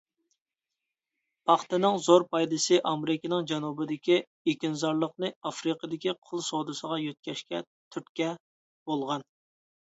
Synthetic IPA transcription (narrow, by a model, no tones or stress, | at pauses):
pʰɑχt̪ɨnɨŋzoɾpʰɑjd̪ɨsɨʔɑmɪɾɪkʲinɪŋd͡ʒɛnubɪd̪ɪkʲi | ekʲinzɑɾlˠəqnɨɑfɾɨqəd̪ɪkʲiqʰʊlˠsod̪ɨsəʁɑjøt̪̚kʲɛʃkʲɛ̰ | t̪ʰyt̪kʲɛ | b̥olˠʁɑn